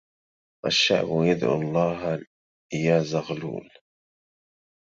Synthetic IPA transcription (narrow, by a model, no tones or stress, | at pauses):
ʔa̰ʃːa̰ʕbʊjad̪ʕṵlˤːɑːɦ | jaːzaɣlṵːl